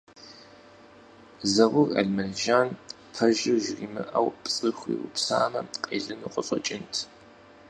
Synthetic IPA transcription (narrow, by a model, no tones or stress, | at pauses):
zɐʁʷʊrɐ̰ɮmɐnʒaːn | pʰɐʒɪʒriːmɨʔɐwpʼt͡sʼɨxʷḭːʊpsaːmɐqʼḛːɮɨnuːqʼəɕʼɔt͡ʃʼɪntʰ